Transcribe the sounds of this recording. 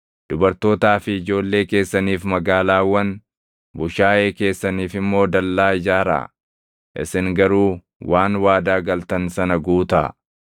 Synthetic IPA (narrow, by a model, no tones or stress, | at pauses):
d̪̥ʊbɐɾt̪o̞ːt̪aːfɪɪd͡ʒo̞ːlːe̞ːke̞ːsːɐniːfmɐɡaːlaːwɐn | bʊʃaːʔe̞ːke̞ːsːɐniːfɪmːo̞ːd̪ɐlːaːɪd͡ʒaːɾa̰ː | ʔɪ̰sɪŋɡɐɾuː | wʔaːnwaːd̪aːɡɐlt̪ɐnsɐnɐɡuːt̪a̰